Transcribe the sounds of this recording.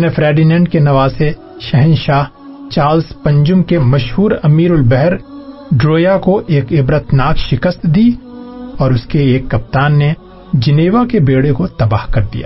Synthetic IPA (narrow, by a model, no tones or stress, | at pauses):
nefɾɛːɖinɛ̃ːɳɖkenɐʋaːse | ʃɛɦənʃaːɦ | t͡ʃaːɾlspɐ̃ɲd͡ʒʊmkemɐʃhuːɾɐmiːɾʊlbɛɦɛɾ | ɖɾoːjakoʔeːkɪbɾət̪ʰnaːkʃɪkəst̪d̪iːɔːɾʊskeeːkːɐp̚t̪aːnːe | d͡ʒɪneːʋakebeːɽekot̪ɐbaːɦkɐɾd̪ija̰ː